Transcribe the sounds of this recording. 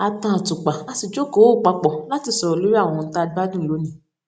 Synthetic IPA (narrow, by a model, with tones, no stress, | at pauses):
a˧tã˦˨tu˨k͡pa˨a˧si˨d͡ʒo˦ko˨˦o˦˨k͡pa˨˦k͡pɔ˨la˦ti˧˨sɔ˨ɾɔ˨lo˦ɾi˦a˦˨wɔ̃˨˧ɔ̃˧n̩˦ta˦˧˦a˦dũ˦˨lo˨˦nĩ˨˦˨